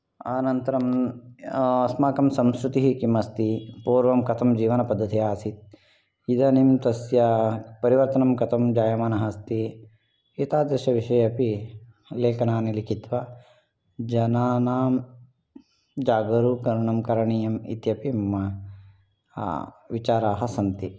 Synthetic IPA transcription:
aːnɐnt̪ɐɾɐm | ɐsmaːkɐmsɐmskɾut̪iɦikimɐst̪ipuːɾʋɐmkɐt̪ʰɐmd͡ʒiːʋɐnɐpɐd̪ʱːɐt̪ʰijaːsit̪̚ | id̪ɐnimt̪ɐsjɐpɐɾiʋɐɾt̪ɐnɐmkɐt̪ʰɐmd͡ʒaːjɐmɐnɐɦɐst̪i | it̪aːd̪jɐʃɐʋiʃɐjɐpi | leːkɐnaːnilikit̪ʋɐ | d͡ʒɐnaːnaːm | d͡ʒaːɡɐɾukɐɾɳɐmkɐɾɐɳiːjɐmḭt̪jɐpimɐmɐ | ʋit͡ʃaːɾaːɦɐsɐnt̪i

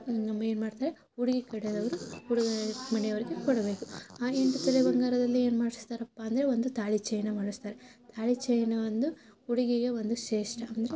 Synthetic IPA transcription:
nɐmːɐe̞ːnumaːɖt̪aːɾe | uɽiɡikɐɽɛd̪ɐʋɐɾuuɽiɡɐmɐɳjɐʋɐɾiɡekɔɽɐbe̞ːkuaːeɳʈut̪ɐlebɐŋɡaːɾɐd̪ɐlːieːnumaːɽist̪aːɾɐpːaːnd̪ɐɾeo̞nd̪ut̪aːɭit͡ʃɐjɐnɐmaːɽust̪aːɾet̪ʰaːɭit͡ʃɐjɐnɐʋɐnd̪u | uɽiɡiɡeʋo̞nd̪uʃeːʂʈɐɐnd̪ɐɾe

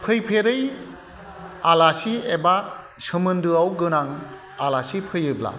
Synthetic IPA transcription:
pʰɯjpʰeɾɯj | alasieba | sɯmɯndɯawɡɯnaŋ | alasipʰɯjɯbla̰

